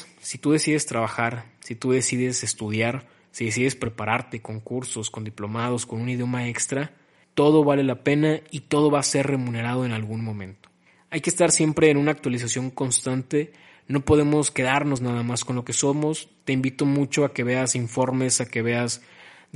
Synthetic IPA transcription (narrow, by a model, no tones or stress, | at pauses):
sit̪uðe̞siðe̞st̪ɾaβaxaɾsit̪uðe̞siðe̞se̞st̪uð̞jaɾ | siðe̞s̬iðe̞spɾe̞paɾaɾt̪e̞ko̞ŋkuɾso̞sko̞nd̪iplo̞mað̞o̞sko̞nũnið̞jo̞mae̞kst̪ɾa | t̪o̞ð̞o̞βale̞lape̞nait̪o̞ð̞o̞βaːse̞rre̞mũne̞ɾað̞o̞e̞nalɣunmõ̞mẽ̞nt̪o̥ | ajkest̪aɾsje̞mpɾe̞ːnũnaːk̚t̪walis̬asjo̞ŋko̞nst̪ant̪e̞ | no̞po̞ðe̞mo̞ske̞ð̞aɾno̞znaðamasko̞nlo̞ke̞so̞mo̞st̪e̞imbit̪o̞mut͡ʃo̞ake̞βe̞asiɱfo̞ɾme̞sake̞βe̞az